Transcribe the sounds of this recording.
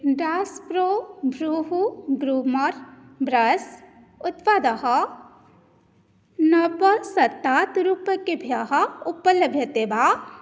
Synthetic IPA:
ɖaspɾobʱɾuɦuɡɾumɐɾbɾɐs | ʊt̪pad̪ɐɦɐ | nɐpəsɐt̪ːaːt̪ɾupɐkebʱjɐɦɐʊpəlɐbʱjɐt̪eba

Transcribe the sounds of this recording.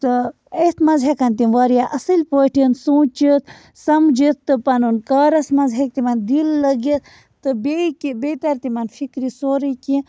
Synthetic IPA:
t̪ɨ | et̪mɐzɦekɐnt̪iʋaːɾijaʔɐsɨlʲpoːʈʰinsũːt͡ʃit̪̚ʰ | sɐmd͡ʒit̪t̪ɨpɐnunkaːɾɐsmɐzɦek̚t̪imɐnd̪ilːɐɡit̪ | t̪ɨbekibet̪ɐɾt̪imɐnfʰikɾisoːɾiki

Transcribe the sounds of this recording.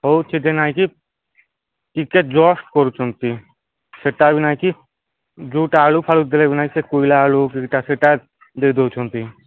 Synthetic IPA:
ɦot͡ʃʰid̪enaːiki | ʈiket̪̚d͡ʒɔːsʈkɔɾut͡ʃʰont̪i | seʈabinaːiki | d͡ʒuːʈaːlupʰalud̪elebinaːisekuilaːluk̬ikʈaseʈa | d̪eːd̪ot͡ʃʰont̪i

